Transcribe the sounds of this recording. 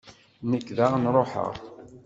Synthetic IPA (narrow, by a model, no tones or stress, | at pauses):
nəkːðaʁnɾˤoħə̰ʁ